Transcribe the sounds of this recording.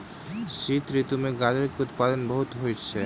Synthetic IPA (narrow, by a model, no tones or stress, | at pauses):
ʃit̪ɾit̪umeɡad͡ʑeɾkeut̪̚pad̪onbɔɦut̪ɦojt͡ɕʰe